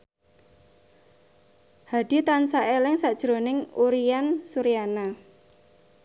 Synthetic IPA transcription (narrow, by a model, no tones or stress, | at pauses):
had̥it̪ansaʔelɪŋsad̥ʒ̥ɾonɪŋuɾiansuɾijana